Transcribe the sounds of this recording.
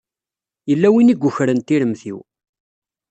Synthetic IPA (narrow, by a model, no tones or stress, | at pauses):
jəlːæwiniɡʷːʊçɾənt̪iɾəmθḭw